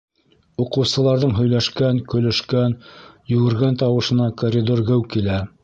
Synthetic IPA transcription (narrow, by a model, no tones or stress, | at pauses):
uqɤ̆wsɤ̆lˠɑɾðɤɴɦɵ̆jlæʃkænkɵ̆lɵ̆ʃkænjɵ̆ɡɘ̆ɾɡænt̪ɑwɤ̆ʃɤ̆nɑkoɾʲid̪orɡɘwkilæ